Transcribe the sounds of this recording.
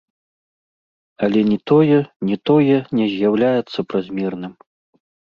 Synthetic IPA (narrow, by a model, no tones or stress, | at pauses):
ɐlʲɛnʲɛt̪ɔjɛnʲɛt̪ɔjɛnʲɛzʲjawlʲajɛt̪sːɐpɾazʲmʲɛrnɨm